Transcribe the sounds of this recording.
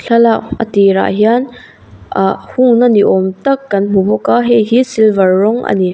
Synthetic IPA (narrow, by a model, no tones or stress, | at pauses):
ɬʰɐlaʔʔə̰t̪iɾa̰ʔɦian | ʔahuŋnaniʔɔmt̪ɐkːɐnm̥ubɔkaɦɛjɦisilvɐrːɔŋʔɐ̰ni